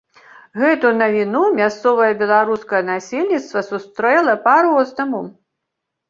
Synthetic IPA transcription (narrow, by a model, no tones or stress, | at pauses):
ɣɛt̪unɐvʲinumʲast̪sɔvɐjɐbʲɛlˠaɾuskɐjɐnasʲelʲnʲit̪st̪vɐsust̪ɾɛlˠɐpaɾɔznɐmu